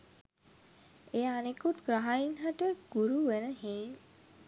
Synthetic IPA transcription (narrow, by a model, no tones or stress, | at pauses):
ejanekut̪ɡɾaɦainɦaʈəɡ̥uɾuʋenəɦeː